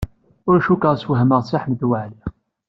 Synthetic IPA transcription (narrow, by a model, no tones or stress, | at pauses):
ʊɾʃukəʁswəɦəməʁsɪħməd̪waʕliʁ